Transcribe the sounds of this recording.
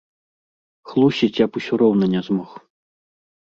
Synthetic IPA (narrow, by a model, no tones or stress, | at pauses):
xlˠusʲit͡sʲjapusʲɔɾɔwnɐnʲɛzmɔx